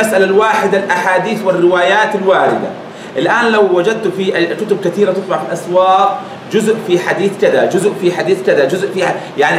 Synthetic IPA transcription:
asʔalalwaːħɪd̪alʔaħaːd̪iːθwɪrːɪwaːjaːt̪ɪlwaːɾɪd̪a̰ | ʔɪlʔaːnlawːad͡ʒad̪̚t̪ʊfiʔkʊt̪ʊb̚kat̪iːɾat̪ɨt̪ˤbɑʕfilʔaswaːʔ | d͡ʒʊzʔfiħad̪iːθkɪðad͡ʒʊzʔfiħad̪iːθkɪðad͡ʒʊzʔfijaʕni

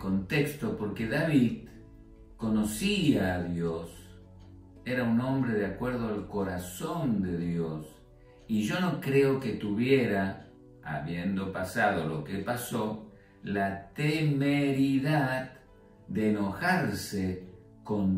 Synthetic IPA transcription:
ko̞nt̪ekst̪o̞po̞ɾke̞ðaβið | ko̞no̞siaːðjos | e̞ɾaunõ̞mbɾeðeakwe̞ɾðoalko̞ɾasond̪eðjos | iʒo̞no̞kɾeoke̞t̪uβje̞ɾa | a̰βjend̪o̞pasað̞o̞lo̞kepaso | lat̪emeɾiðað | d̪eːno̞xaɾse | ko̞n

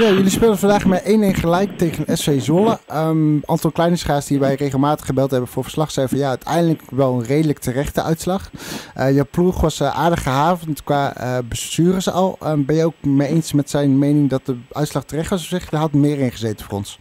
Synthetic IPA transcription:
jajɵlispɪːlˠdəvɑndaːχmaɹʔejnɪnχəlɛjktejχənɛsfejzoləəʔaːntɑlˠklɛjnəsχaːsdiʋɛjrejχəlˠmaːtə̥χəbɛlˠtɦɛbənvʊːɹvəɹslɑχsɛjfɑnjaːœɥtʰɛ̰jndələkʋɛlˠənrejdələktərɛχtəʔœ̰ɥtslɑχəjapluχʋɑsʔa̰ːɹdəχəɦaːvəntkʋaːəbəstyːrəsəɑ̰lˠəbɛnjəowkmejejnsmɛtsɛjnmejnɪŋdɑt̚dəœɥtslɑχtərɛχtʋɑs̬osɪχdəɦɑtmɪːɹɪnχəzejtənfʊːrɔ̰ns

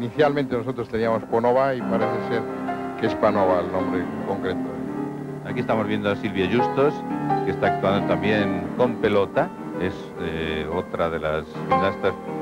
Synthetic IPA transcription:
niθjalmẽnt̪eno̞sot̪ɾost̪e̞niamo̞sponoβaipaɾeθeseɾ | kespanoβaːlnõmbɾe | koŋkɾet̪oðe | akie̞st̪amo̞zβjend̪oasilβjaʝust̪oskest̪aːk̚t̪uand̪ot̪ambje̞ŋko̞mpe̞lo̞t̪a | e̞s | eot̪ɾaðe̞lasʝinast̪as

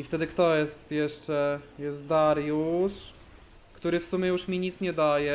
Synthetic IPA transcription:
ift̪ɛd̪ɘkt̪ɔjɛst̪jɛʂt͡ʂɛjɛst̪̚d̪aɾjuʂ | kt̪uɾɘfsumʲɛjuʂmʲiɲit̪sɲɛd̪ajɛ

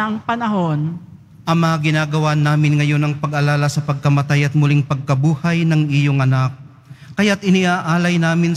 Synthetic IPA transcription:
ɐŋpɐnɐɦo̞n | ʔɐŋmɐaɡɪnaːɡɐwanːaːmɪnŋɐjo̞nɐŋpɐɡʔɐlaːlɐsɐpɐɡ̚kɐmɐt̪ajɐt̪̚mʊlɪŋpɐɡ̚kɐbuːhɐjnɐŋʔɪjoŋɐnak̚ː | ɐjat̪̚ʔɪnɪʔaːʔaːlɐjnaːmɪn

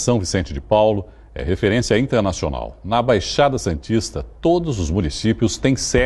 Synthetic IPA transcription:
sɐ̃w̃visẽnt͡ʃɪd͡ʒɪpawlʊ | ɛ̰ɦefeɾẽsiɐĩnt̪eɾnasio̰na̰wnɐbajʃad̪ɐsɐ̃nt͡ʃist̪ɐt̪od̪ʊzʊzmunisipjʊst̪ẽj̃sɛ

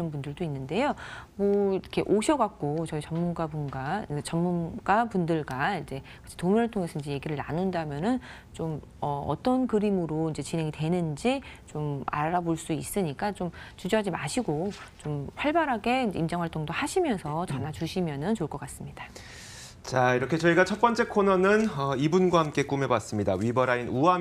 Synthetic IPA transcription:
nɯnpundɯɭdoinːɯnde̞jomʌkʰe̞ʔoɕʰʌɡak̚k͈ot͡ɕʌit͡ɕʌnmunɡabunɡat͡ɕʌnmunɡ̥wapundɯɭɡwaind͡ʑe̞kɯ̥t͡ɕʰe̥tomʌɾɯɭtʰoŋe̞sʰʌind͡ʑe̞je̞ɡiɾɯɭna̰nundamjʌnɯn | t͡ɕom | ʌʌ̰t͈ʌnkɯɾimɯɾoind͡ʑe̞t͡ɕinɦeŋitwe̞nɯnd͡ʑit͡ɕoma̰ɾaboɭs͈uis͈ɯɲik͈at͡ɕomt͡ɕud͡ʑʌɦad͡ʑimaɕʰiɡot͡ɕompʰaɭbaɾɦaɡe̞id͡ʑeimd͡ʑaŋɦwaɭt͈oŋdohaɕʰimjʌnsʰʌt͡ɕanat͡ɕuɕʰimjʌnɯnt͡ɕoɭk͈ʌk͈as͈ɯmɲid̥a | t͡ɕaiɾʌkʰe̞t͡ɕʌiɡat͡ɕʰʌt̚p͈ʌnt͡ɕ͈e̞kʰonʌnɯnʌibunɡwahamk͈e̞k͈ume̞was͈ɯmɲidawɥibʌɾainua

